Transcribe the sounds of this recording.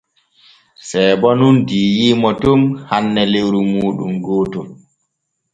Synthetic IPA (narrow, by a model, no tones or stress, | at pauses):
sɛːɓɔnundiːjimɔtumhanːɛlewɾumuːɗṵmɡoːtɔ